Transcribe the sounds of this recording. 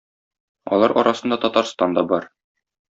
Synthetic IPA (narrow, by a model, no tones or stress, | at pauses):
ɒ̰lˠɑɾʔɒ̰ɾɑsɤ̆nd̪ɑt̪ɒt̪ɑɾst̪ɑnd̪ɒbɒɾ